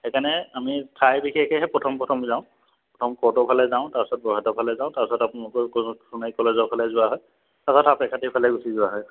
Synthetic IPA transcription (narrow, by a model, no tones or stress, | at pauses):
hɛkanɛamitʰajbikʰɛkʰɛɦɛpɹɔtʰɔmpɹɔtʰɔmzãʊ̃ | pɔtʰɔmkɔɹtɔpʰalɛzaʊ̃taɹsɔt̚bɔɦatɔpʰalɛzãʊ̃tastapunalɔkɔkɔsunajkɔlezɔpʰalɛzʊaɦɔj | tasɔtapɛkʰatipʰalɛɡusizʊwaɦɔj